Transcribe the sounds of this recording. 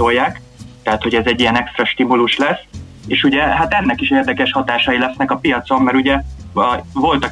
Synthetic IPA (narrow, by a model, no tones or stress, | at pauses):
o̞jːaːk | t̪ɛɦat̪ho̞ɟɛzɛɟːiɛnɛkst̪rɛʃt̪imuluʃlɛs | eːʃuɟɛɦaːt̪ɛnːɛkiʃeːrd̪ɛkɛʃhɒt̪aːʃɒjilɛsnɛkɒpijɒt̪so̞mmɛɾuɟɛ | vo̞lt̪ɒ